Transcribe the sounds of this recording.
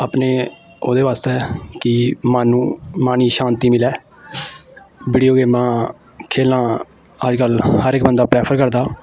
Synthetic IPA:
aːpneː | oːd̪eːʋaːst̪ɛːkɪmaːnũːmaːniːʃaːnt̪iːmɪlɛː | biːɖijoːɡeːmãː | kʰeːlnãː | əd͡ʒkəlhəɾɪk̚bənd̪aːpɾɛːpʰəɾkəɾd̪aː

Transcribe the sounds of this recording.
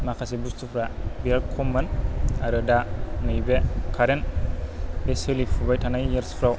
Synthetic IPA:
makʰasibustʰupʰɾabialkʰɔmːanaɾɯdanɯjbekʰaɾen | beselipʰubajtʰanajjeɾspʰɾaw

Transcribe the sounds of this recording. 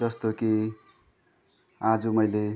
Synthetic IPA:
ʌst̪oki | ad͡zumʌjle

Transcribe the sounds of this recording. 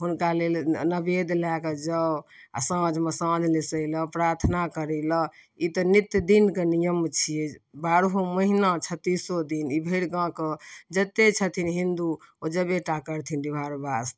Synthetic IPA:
ɦunkalelnəbed̪laked͡ʒəa̰səd͡ʒʱmesãd͡ʒʱlesəjləpɾaɾt̪ʰnakəɾɛlə | it̪ənit̪jd̪inkenijəmt͡ʃʰijebaɾɦoməɦinat͡ʃʰət̪ːisod̪inibʱeɽɡãkəd͡ʒət̪et͡ʃʰət̪ʰinɦind̪uod͡ʒəbeʈakəɾt̪ʰind̪ibʱaɾbas

